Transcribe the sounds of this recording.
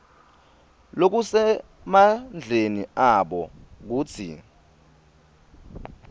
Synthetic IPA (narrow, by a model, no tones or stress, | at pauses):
lok̬usɛ | mand͡ɮʱeniaɓɔk̬uːt͡sʰḭ